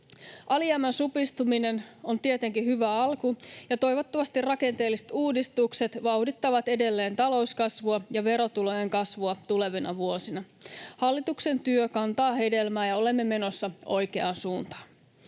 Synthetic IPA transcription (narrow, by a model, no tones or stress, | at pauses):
ʔɑliæmːænsupist̪umine̞no̞nt̪iet̪e̞ŋkihyʋæɑlkujɑt̪o̞jʋo̞t̪ːɑʋɑst̪irɑke̞nt̪e̞ːlːiset̪uːdist̪ukse̞t̪ʋɑwdit̪ːɑʋɑt̪e̞de̞lːe̞ːnt̪ɑlo̞uskɑsʋuɑjɑʋe̞ɾo̞t̪ulo̞jeŋkɑsʋuɑt̪ule̞ʋinʔɑ̰ʋuo̞sinɑ | hɑlːit̪ukse̞nt̪yøkɑnt̪ɑːɦe̞de̞lmæːjɑo̞le̞mːe̞me̞no̞sːɑo̞jke̞ɑnsuːnt̪ɑ̥ːn